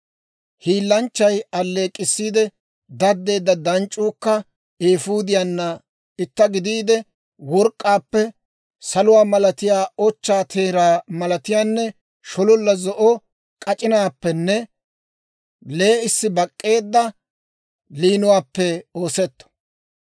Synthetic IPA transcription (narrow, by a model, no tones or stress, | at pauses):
hiːlːɐnt͡ʃːɐjɐlːe̞ːkʼːɪsːiːd̪ɛ | d̪ɐd̪ːe̞ːd̪ːɐd̪ɐnt͡ʃʼːuːkːɐ | eːfuːd̪ɪjanːɐ | ɪt̪ːɐɡɪd̪iːd̪ɛ | wɔɾkʼːaːpːɛ | sɐlʊwaːmɐlɐt̪ɪjaːɔt͡ʃːaːt̪ʰeːɾaːmɐlɐt̪ɪjaːnːɛ | ʃɔlɔlːɐzɔʔɔ | kʼɐt͡ʃʼɪnaːpːɛnːɛ | le̞ːɪsːɪbɐkʼːe̞ːd̪ːɐ | liːnʊwaːpːɛo̞ːsɛt̪ːɔ̥